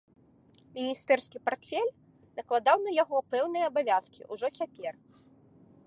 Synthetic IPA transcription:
mʲinʲist̪ɛrskʲipart̪fʲelʲ | nɐklˠad̪awnɐjaɣɔpɛwnɨjɐːbavʲaskʲḭʔuʐɔt͡sʲapʲɛr

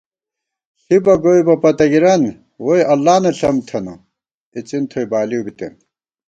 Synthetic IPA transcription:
ɬibɐɡojbɐpɐt̪ɐɡiɾɐn | wojʔɐlːaːnɐɬɐmt̪ʰɐno | it͡sint̪ʰojbaːliubit̪ḛn

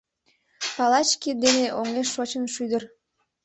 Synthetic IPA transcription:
pɑlɑt͡ɕkid̪eneʔoŋeʃːot͡ɕənʃyd̪ər

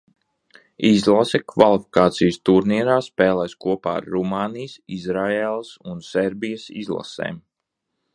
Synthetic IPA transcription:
izlˠasɛkvalˠifi̥kaːt̪sijəst̪uɾniɛɾaːspɛːlˠɛjskuɔpa̰ːɾːumaːnijsizɾaeːlˠsunsɛɾbijəsḭzlˠa̰sḛːm

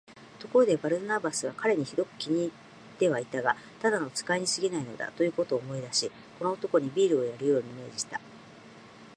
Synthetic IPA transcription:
t̪o̞ko̞ɾo̞d̪e̞baɾɯ̟nabasɨβ̞akaɾe̞ɲ̟içid̪o̞kɯ̟̥kʲiɲ̟iː | t̪ːe̞βait̪aɡa | t̪ad̪ano̞t͡sɨ̥kaiɲ̟isɨɡʲinaino̞̰d̪a̰t̪ojɯ̟ːko̞t̪o̞ːmo̞id̪aɕi | ko̞no̞ːt̪o̞ko̞ɲ̟ibʲiːɾɯ̟o̞jaɾɯ̟jo̞ːɲ̟ime̞ːd͡ʑiɕi̥t̪a

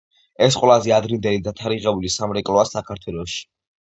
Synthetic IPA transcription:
ɛsqʼwɛlazɛad̪ɾind̪ɛlid̪at̪ʰaɾiʁɛbulisamɾɛkʼlˠɔasakʰaɾt̪ʰwɛlˠɔʃi̥

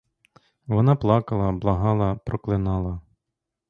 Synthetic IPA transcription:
ʋɔnɑplˠɑkɐlˠɐblˠɐɦɑlˠɐpɾɔklˠɪnɑlˠɐ

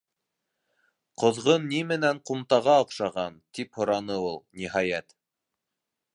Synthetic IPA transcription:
qŏðʁɤnːimɘ̆næŋqumt̪ɑʁɑŏqʃɑʁɑnt̪iphŏɾɑnɤulˠnʲiɦɑjæt̪

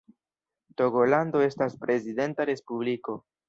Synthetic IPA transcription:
to̞ɡo̞lando̞e̞staspɾe̞zide̞ntaɾe̞spubliko̞

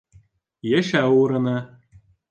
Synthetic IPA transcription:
jĕʃæuɾɤ̆nɑ

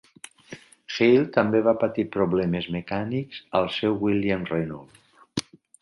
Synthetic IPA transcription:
xejlˠt̪əmbeβapət̪ipɾuβlɛmezmekanikz̥əlˠsɛwwiljamrenɔl

